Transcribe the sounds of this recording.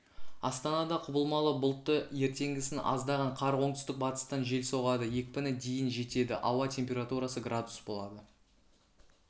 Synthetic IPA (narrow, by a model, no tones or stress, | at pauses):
ɑ̰st̪ɑnɑd̪ɑqʰʊbəlˠmɑlˠəbʊlˠt̪ːəje̞ɾt̪e̞ŋɡʲɪsɪnɑ̰zd̪ɑʁɑɴqʰɑɾoɴt̪ʏ̥st̪ɪk̚bɑt̪ə̥st̪ɑnʒe̞lso̞ʁɑd̪əje̞kʲpɪnɪd̪e̞jɪnʒe̞t̪e̞d̪ɪ̰ʔɑwɑt̪ʰʲe̞mpʲeɾat̪uɾasəɡrad̪usbo̞lˠɑd̪ə